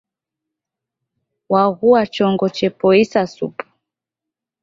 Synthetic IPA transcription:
waɣuat͡ʃɔŋɡɔt͡ʃɛpɔisasupu̥

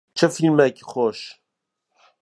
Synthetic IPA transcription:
t͡ʃʰəfilmɛkiχoːʃ

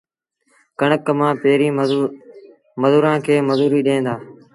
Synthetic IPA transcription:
kəɳəkmãːpeːɾĩː | məzuːɾãːkʰeːməzuːɾiːɗẽːnd̪aː

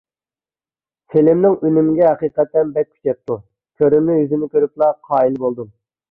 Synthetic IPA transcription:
sʰelɪmnɪŋynymɪɡʲɛɦɛqiːqɛt̪ːɛnbɛk̚ʲʰy̥t͡ʃɛp̚t̪ʰːu | kʲʰøɾɪmnɪjyzɪnɪkʲʰøɾyp̚lˠɑqʰɑːilbolˠd̪um

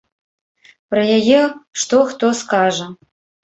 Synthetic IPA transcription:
pɾɐjajɛʂt̪ɔxt̪ɔskaʐɐ

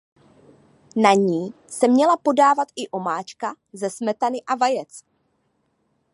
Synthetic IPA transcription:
naɲiː | sɛmɲɛlapo̞daːvat̪ʔɪʔo̞maːt͡ʃka | zɛsmɛt̪anɪʔavajɛt͡s

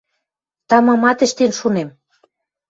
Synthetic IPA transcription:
t̪ɑmɑmɑt̪ə̆ʃt̪enʃunem

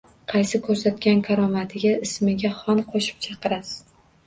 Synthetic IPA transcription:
qʰɑjsɪkʰɵɾsat̪̚kʲankʲʰaɾɒmat̪ʰɪɡʲaɪsmɪɡʲaχɒnqʰoʃɪ̥p̚t͡ʃʰɑqʰɨɾas

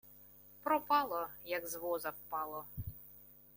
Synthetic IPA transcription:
pɾɔpɑlˠɔjɐɡzʋɔzɐwpɑlˠɔ

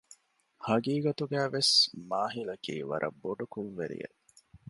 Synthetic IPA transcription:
hɐɡiːɡɐt̪uɡæːʋesmaːɦilɐkiːʋɐ̰ɾʔɐ̰bːoɖɐkunʋeɾḭjḛ

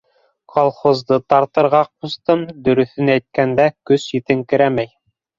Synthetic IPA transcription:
kʰolˠχozd̪ɤt̪ɑɾt̪ɤ̆ɾʁɑqust̪ɤmd̪ɵ̆ɾɵ̆θɘnæjt̪̚kænd̪ækɵsjɘt̪ɘŋkɘ̆ɾæmæj

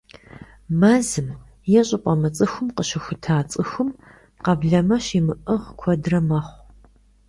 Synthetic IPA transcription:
mazɨm | jɛɕʼɪpʼɐmɨt͡sʼɨxʷʊmqəɕɪxʷʊtʰaːt͡sʼɨxʷʊm | qɐbɮɐmɐɕimɨʔɨʁkʷʰɔdrɐmɐχʷ

